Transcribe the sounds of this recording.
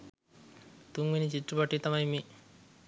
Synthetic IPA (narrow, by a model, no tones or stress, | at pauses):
t̪uŋɡinit͡ʃit̪ɾupɐʈːit̪ɐmɐjmi